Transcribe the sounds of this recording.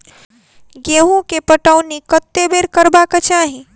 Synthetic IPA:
ɡeɦũkepəʈəwnikət̪ːebeɾkəɾbaket͡ʃaɦi

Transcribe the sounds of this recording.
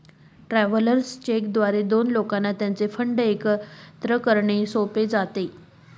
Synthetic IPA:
ʈɾæʋələɾst͡ɕekd̪ʋaɾed̪onlokanːat̪jant͡sefəɳɖəekt̪ɾəkəɾɳesoped͡zat̪e

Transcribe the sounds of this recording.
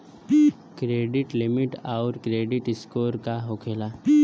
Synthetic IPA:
kɾeːɖɪʈlɪmɪʈaːɾkɾeːɖɪʈɪskoːɾkaɦoːkʰeːlaː

